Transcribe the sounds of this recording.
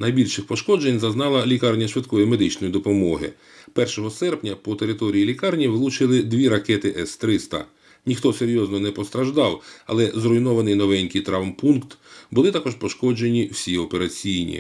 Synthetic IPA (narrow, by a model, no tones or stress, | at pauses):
nɐjbʲilʲʃɪxpɔʃkɔd͡ʒenʲzɐznɑlˠɐlʲikɑrnʲɐʃʋɪd̪kɔjime̞d̪ɪt͡ʃnɔjid̪ɔpɔmɔɦɪ̰ | pɛrʃɔɦɔsɛrpnʲɐpɔt̪e̞ɾɪt̪ɔɾʲijilʲikɑrnʲiʋlˠut͡ʃɪlˠɪd̪ʋʲiɾɐkɛt̪ɪʔɛst̪ɾɪst̪ɐ̰ | nʲixt̪ɔseɾʲjɔznɔnɛpɔst̪ɾɐʒd̪ɑwɐ̰lˠɛzrɔjnɔʋɐnɪjnɔʋɛnʲkʲijt̪ɾawmpunkt̪bʊlˠɪt̪ɑkɔʃpɔʃkɔd͡ʒe̞nʲiwsʲiɔpe̞ɾɐt͡sʲijnʲḭ